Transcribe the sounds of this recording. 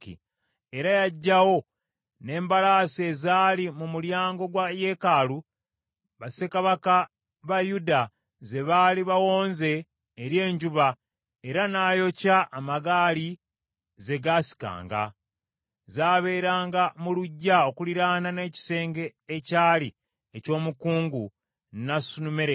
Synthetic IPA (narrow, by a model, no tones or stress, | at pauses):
ḭ | e̞ɾajaɟːawo̞ | ne̞ːmbalaːse̞zaːlimumuljaːŋɡo̞ɡwaje̞ːkaːlu | βase̞kaβaka | βajuda | ze̞βaːliβawo̞ːnze̞ː | ɾje̞ːɲɟuβa | eɾanaːjo̞caʔːmaɡaːli | ze̞ɡaːsi̥ka̰ːŋɡa̰ | zaːβe̞ːɾaːŋɡamuluɟːao̞kuliɾaːnane̞ːci̥se̞ːŋɡe̞ːcaːli | eco̞ːmukuːŋɡu | nasunumeɾe